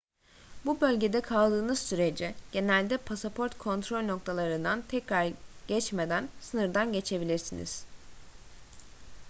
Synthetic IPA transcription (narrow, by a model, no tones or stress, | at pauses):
bubø̞lʲɟe̞d̪ɛkʰalˠd̪ɯːnɯz̥syɾe̞d͡ʒiɟ̥e̞nælʲd̪ɛpʰasapʰo̞ɾt̪kʰo̞nt̪ʰɾo̞lʲno̞k̚t̪ʰalˠaɾɯnd̪ant̪ʰɛcɾaɾɟ̥ɛt͡ʃme̞d̪ænsɯnɯɾd̪anɟe̞t͡ʃʰe̞bilʲiɾsinḭz̥